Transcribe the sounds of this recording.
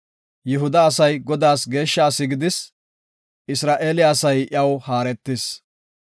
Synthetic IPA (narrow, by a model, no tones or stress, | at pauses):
jɪɦʊd̪ɐːsɐjɡɔd̪aːsɡe̞ːʃːaːsːɪɡɪd̪ɪs | ɪsɾaːʔeːlɪaːsɐjʔɪ̰ɐwhaːɾɛt̪ːɪs